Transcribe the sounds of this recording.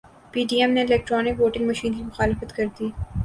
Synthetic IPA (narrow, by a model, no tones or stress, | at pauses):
piːɖiːɛmneɪlɛːk̚ʈɾɔːnɪkʋoːʈɪ̃ŋɡmɐʃiːnkimʊxaːlɪfət̪kɐɾd̪iː